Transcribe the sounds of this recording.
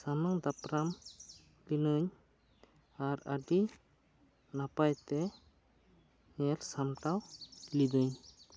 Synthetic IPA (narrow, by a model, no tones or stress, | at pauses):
samaŋd̪apɾam | linɯɲ | aɾaɖi | napajt̪ɛ | nɛlsamʈawlidɯɲ